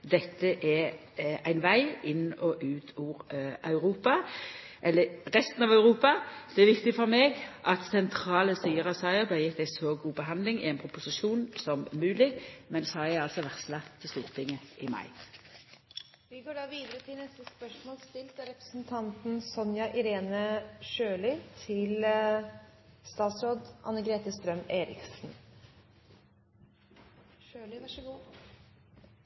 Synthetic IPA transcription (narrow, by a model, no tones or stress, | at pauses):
d̪ɛt̪ːəʔɛ | æɪnʋæɪɪnːɔʔʉːt̪ʰuːʁɑʉɾuːpɑ | ʔɛlːəʁɛst̪n̩ɑːʋɑʉɾuːpɑd̪̥ɛɛɾʋɪkt̪ɪfɔɾmeːɡʔɑt̪sɛnt̪ʰɾɑːləsiːəɾɑsɑɪəblɑjɪt̪ːæɪsɔɡuːbəɦɑnd̪lɪŋɪ̰ɛɪnpʰɾʊpʊsɪʃuːnsɔmːʉːlɪmɛnshɑɛɑlsɔʋæʁt̪slɑt̪ʰːɪlst̪uːʁt̪ʰɪŋːəʔɪmɑ̰ɪ | ʋɪɡoːɖɑːʋiːd̪əɾət̪ʰɪlnɛst̪əspœʂmoːlst̪ɪlt̪æɾɛpɾəsn̩t̪ʰɑnt̪n̩sɔnjɑʔɪɾeːnəʃøːlɪt̪ʰɪl | st̪ɑːt̪sɾoːd̪ʔɑ̰nːəɡɾeːt̪əst̪ɾœmeːɾɪ̰ksn̩ | ʃøːlɪʋɑʂəɡuː